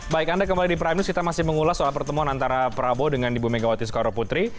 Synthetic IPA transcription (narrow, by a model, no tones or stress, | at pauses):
baɪkandakəmbalidipɾamnuskit̪amasɪhməŋulahsoalpərt̪əmuanant̪aɾapəɾabodəŋandibumeɡawat̪isə̥kaɾoput̪ɾi